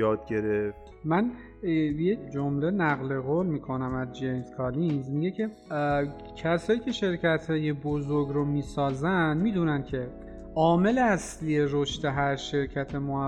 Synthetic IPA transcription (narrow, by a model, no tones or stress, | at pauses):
ɒːd̪̚ɟe̞ɾeft̪ | mæn | jed͡ʒomle̞næɣle̞ɣoːlmiːkʰo̞næmæzd͡ʒejnskʰɒːlinzmiɟecʰe̞ | cʰæsɒːjiːcʰe̞ʃe̞ɾcʰæt̪ʰhɒːjebozoɾɡɾomiːsɒːzænd̪miːd̪uːnæncʰe̞ | ʔɒːme̞leæslije̞ɾoʃt̪e̞ɦæɾʃe̞ɾcʰæt̪ʰe̞mo